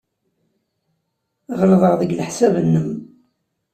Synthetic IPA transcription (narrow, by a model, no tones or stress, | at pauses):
ʁlðˤəʁðəɡlħsævənːəm